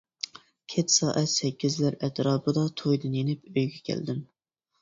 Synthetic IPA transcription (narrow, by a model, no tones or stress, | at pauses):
kʲʰɛt̪sɑːʔɛt̪sɛkʲːizlæɾɛt̪ɾɑːpɨd̪ɑt̪ʰojd̪ɨnjenɪpøjɡʲɛkʲʰɛ̰ld̪ɪm